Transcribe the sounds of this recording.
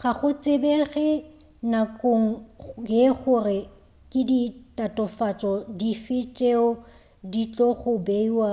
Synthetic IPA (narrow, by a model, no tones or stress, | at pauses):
χaχʊt͡sʼɪbeɣɛ | nakʼoŋ̩ɡɪχʊrɪ | kʼɪditʼatʼɔfat͡sʼɔdifɪt͡ʃʼeɔ | dit͡ɬʼɔχʊbeiwa